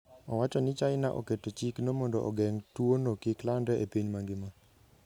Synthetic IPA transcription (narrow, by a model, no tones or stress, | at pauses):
ɔwat͡ʃɔnɪt͡ʃaɪnaʔɔ̰ketot͡ʃiknomɔndɔʔɔɡɛŋtwonokiklandɛʔepiɲmaŋɡɪma